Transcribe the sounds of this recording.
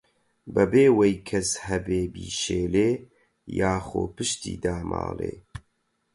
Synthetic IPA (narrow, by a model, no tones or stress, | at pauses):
bɐbeːwejkʰɛshɛbeːbiːʃeːleː | jaːxoːpɨʃt̪ḭːd̪aːma̰ːlḛː